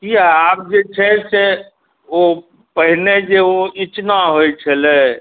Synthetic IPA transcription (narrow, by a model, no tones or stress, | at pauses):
kiaab̚d͡ʒet͡ʃʰɛse | o | pəɦned͡ʒeoit͡ʃnaɦojt͡ʃʰəlɛ